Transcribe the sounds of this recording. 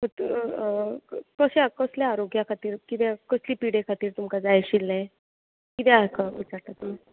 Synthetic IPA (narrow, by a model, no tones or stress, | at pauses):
ət̪ | kəɕakəsljaːɾoɡjakʰat̪iːɾkit̪ɛkəsliːpiɽekʰat̪iːɾt̪umkad͡zajɕilːa | kit̪ɛ̃akaʋit͡saɾt̪at̪umi